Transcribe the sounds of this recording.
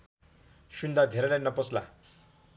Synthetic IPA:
sund̪ad̪ʱeɾelajnʌpʌsla̰

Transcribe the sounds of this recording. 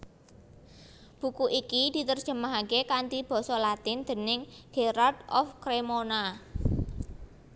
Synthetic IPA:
b̥ukuʔikid̪̥i̤t̪ərd̥ʒ̥ə̤maɦakekant̪ib̥ɔ̤sɔlat̪ɪnd̪̥ə̤nɪŋ | ɡ̥e̤ɾard̪ɔfkɾemona

